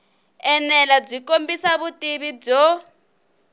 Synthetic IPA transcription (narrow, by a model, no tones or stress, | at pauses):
ɛnɛlab͡ʐikombisaβutʼiβib͡ʐɔ